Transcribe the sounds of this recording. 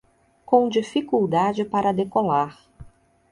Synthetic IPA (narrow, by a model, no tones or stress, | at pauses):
kõw̃d͡ʒifikuwd̪ad͡ʒɪpaɾɐd̪ekolaɾ